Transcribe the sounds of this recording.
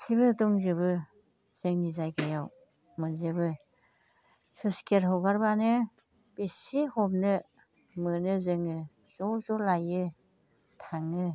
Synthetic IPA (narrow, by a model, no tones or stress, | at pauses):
sibɯtɔŋzɯβɯ | z̥ɯŋnizajɡʰajaw | mɯnzɯbɯ | sɯskeɾɦɔwɡaɾbanɯ | b̥esihɔb̚nɯ | mɯnɯzɯŋɯ | z̥ɔzɔlajɯ | tʰaŋɯ